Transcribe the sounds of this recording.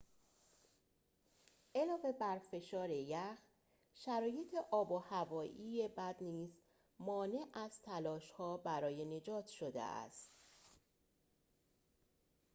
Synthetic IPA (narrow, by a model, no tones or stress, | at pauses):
ʔe̞lɒːve̞bæɾfe̞ʃɒːɾejæx | ʃæɾɒːje̞t̪ʰe̞ʔɒːbohævɒːʔiːjebæd̪niːz | mɒːne̞ʔæz̥t̪ʰælɒːʃhɒːbæɾɒːje̞ne̞d͡ʒɒːt̪ʰʃo̞d̪ḛʔæ̰st̪